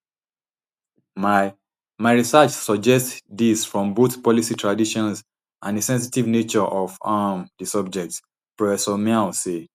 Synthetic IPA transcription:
ma | maɪɹisət͡ʃsɔd͡ʒɛstðisfɹɔ̃mboθpɔlisitʰɹadiʃɔ̃nz | ʔãndəsɛ̃ns̬itivnet͡ʃɔʔɔvamdəsʌb̚d͡ʒɛk̚t | pɹɔfɛsɔmɛlse

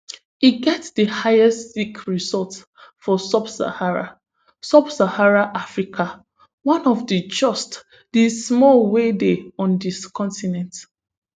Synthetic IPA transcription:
iɡɛtdəhaɪɛstsikɹizɔlˠts | fɔsabsa̰haɹa̰ | sabsahaɹaʔafɹikʰa | wãnɔfdəd͡ʒɔst | dismɔlwedeɔ̃ndiskʰɔ̃ntinɛ̃nt

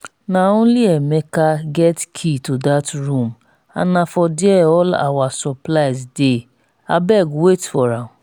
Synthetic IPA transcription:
nãʊ̃liɛmɛkaɡɛtkʰitudatɾũm | a̰nãfɔdiɛɔla̰wasɔplajzde | abɛɡwetfɔɾã

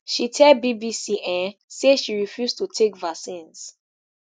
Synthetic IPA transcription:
ʃitʰɛbibisiʔɛ̃seʃiɹifjustutʰekvasĩns

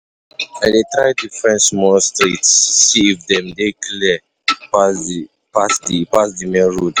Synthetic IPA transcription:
aɪdetɹajtufɹɛ̃nʃmɔstɹitsːiifdɛ̃mdekli | pa | pasdipasdimɛ̃nɹod

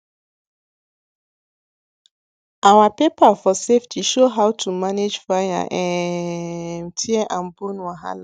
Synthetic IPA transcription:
awapepafɔseftʰiʃoɦawtʰumaned͡ʒfaja̰ʔɛ | mtʰiɛʔãnbõnwaɦa̰la

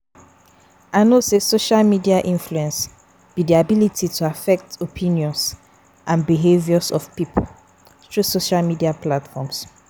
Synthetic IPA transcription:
aɪnosesoʃalmidiaʔĩnfluɛ̃ns | b̥idiabilitʰitʰuafɛk̚topʰĩnjɔ̃ns | ʔãnbiɦevjɔsɔfpipʰo | tʰɹusoʃalmidiaplatfɔ̃ms

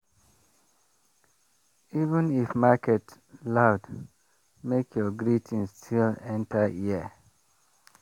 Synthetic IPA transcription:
ivə̃nifmakɛt | laʊd | mekʰjɔɡɹitʰĩnstʰilɛ̃ntəiə

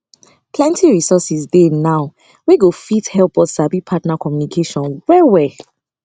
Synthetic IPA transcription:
pʰlɛ̃ntiɹisɔsisdɛnaʊ | wiɡofithɛlp̚bɔdsabipʰatnakʰɔmjunikʰeʃɔ̃nwɛwɛ

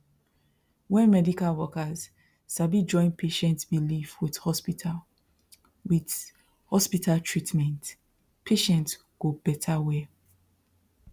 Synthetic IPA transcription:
wɛ̃nmɛdikalwɔkaz̥ | sabid͡ʒɔ̃ɪ̃npʰeʃɛ̃ntbilifwið̥hɔspitʰal | wid | hɔspitʰaltʰɹitmɛ̃nt | pʰeʃɛ̃nts | ɡ̥obɛtʰawɛ

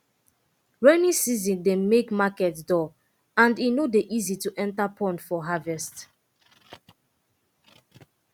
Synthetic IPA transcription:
ɹɛnĩsizĩndemekmakɛtdɔ | ãndinodeʔizituʔɛ̃ntapʰɔ̃ndfɔɦavɛst

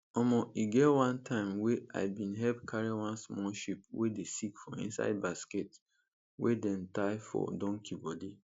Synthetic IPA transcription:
ɔmɔʔiɡɛwãntʰãɪ̃mwea̰ɪbĩnɦɛlp̚kʰaɹiwãnsmɔʃip̚wedesikfɔ̃ḭ̃nsa̰ɪd̚basket | wedɛ̃ntaɪfɔ̰dɔ̃ŋkʰibɔdi

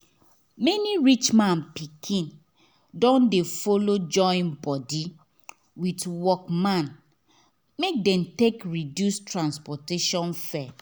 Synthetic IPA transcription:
mɛniɹit͡ʃmãnpikʰĩn | dɔ̃ndefolod͡ʒɔ̃ɪ̃nbɔdi | witwɔkmãn | mek̚dɛ̃mtekɹidjustʰɹãnspɔteʃɔ̃nfɛ

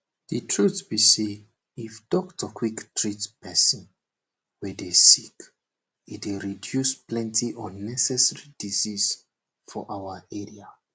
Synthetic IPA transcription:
ditʰɹutbise | ifdɔktʰɔkʰwiktɹitpɛsĩn | wɛdesik | it̚eɹidjusplɛ̃ntiʔɔnɛsɛsɹidizis | fɔ̰ʔawəɛɹia

